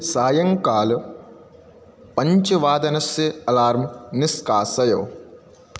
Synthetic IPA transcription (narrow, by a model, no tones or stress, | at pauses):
saːjɐŋkaːl | pɐɲt͡ʃiʋaːd̪ɐnɐseɐlaːɾmniskaːsɐjoː